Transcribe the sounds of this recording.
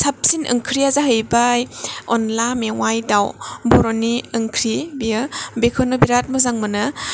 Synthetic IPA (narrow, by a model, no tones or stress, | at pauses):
sap̚sinʔɯ̰ŋkʰɾiazaɦɯjbajɔnlamewajdawbɔɾoniɯŋkʰɾibijɯbekʰɔnobiɾat̚mɔzaŋmɯnɯ